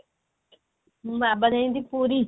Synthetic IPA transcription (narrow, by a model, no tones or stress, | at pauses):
mabəd̪aĩnd̪ipuːɾi